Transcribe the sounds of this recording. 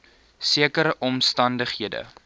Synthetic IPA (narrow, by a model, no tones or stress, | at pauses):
siəkəɾəʔɔmstɐndəχɦiədə̰